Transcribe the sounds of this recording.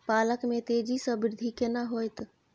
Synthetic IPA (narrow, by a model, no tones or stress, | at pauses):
paləkmet̪ed͡ʒisəbɾɪd̪ʱikenaɦojt̪